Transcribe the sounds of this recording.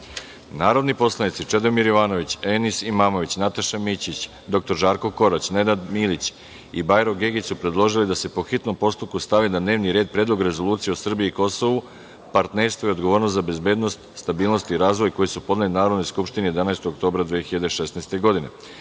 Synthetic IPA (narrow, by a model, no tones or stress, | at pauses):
naːɾo̞d̪nipo̞slˠanit̪sit͡ʂed̪o̞miɾjoʋaːno̞ʋit͡ɕenisimaːmo̞ʋit͡ɕnat̪aʃamit͡ɕit͡ɕ | d̪o̞k̚t̪o̞ɾʒaːɾkoko̞ɾat͡ɕne̞d̪ad̪milit͡ɕ | ibajɾoɡeɡisupɾe̞d̪lˠo̞ʒilid̪ase̞po̞xit̪no̞mpo̞st̪up̚kust̪aʋinad̪ne̞ːʋniɾeːd̪̚pɾeːd̪lˠo̞ɡɾe̞zo̞lˠuːt̪sijeosr̩biiːko̞so̞ʋu | paɾt̪ne̞ɾst̪ʋo̞io̞d̪ɡo̞ʋo̞ːɾnost̪zabe̞zbe̞ːd̪no̞st̪st̪abiːlˠno̞st̪iɾaːzʋo̞jko̞jisupo̞d̪nelinaːɾod̪no̞jskupʃt̪ineje̞d̪anaest̪oɡok̚t̪o̞ːbɾad̪ʋiːxiʎad̪eʃe̞snajst̪e̞ɡo̞d̪ine̞